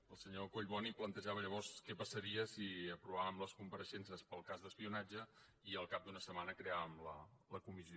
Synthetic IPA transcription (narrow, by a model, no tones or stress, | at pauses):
əlˠsəɲokoʎβɔniplənt̪əʒaβəʎəβɔrskɛpəsəɾiəsiəpɾuβ̞aβəmləskumpəɾəʃɛns̬əspəlˠkazðəspiunad͡ʒə | iəlˠkap̚d̪unəsəmanəkɾeaβəmlələkumizio